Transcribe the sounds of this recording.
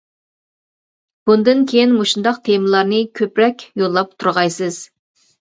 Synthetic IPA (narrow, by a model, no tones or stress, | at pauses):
b̥und̪ɨnkʲʰejinmoʃund̪ɑqt̪ʰemɨlˠɑɾnɨkʲʰøpɾɛkʲjolˠːɑp̚t̪ʰuɾʁɑjsɨz̥